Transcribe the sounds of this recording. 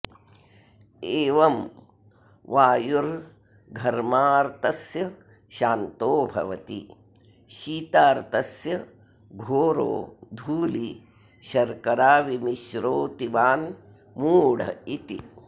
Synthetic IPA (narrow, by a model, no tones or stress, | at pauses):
eːʋɐm | ʋaːjuɾ | ɡʱɐɾmaːɾt̪ɐsjɐ | ʃaːnt̪oːbʱɐ̰ʋɐt̪ḭ | ʃiːt̪aːɾt̪ɐsjɐ | ɡʱoːɾo̰ːd̪ʱuːli | ʃɐɾkɐɾaːʋimiʃɾoːt̪iʋaːn | muːɽ̤ɐ̰it̪ḭ